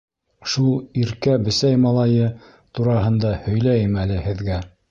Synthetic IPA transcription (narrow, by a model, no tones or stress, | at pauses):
ʃulˠiɾkæbɘ̆sæjmɑlˠɑjɤ | t̪uɾɑhɤ̆nd̪ɑhɵ̆jlæjɘmæl̪ɘhɘ̆ðɡæ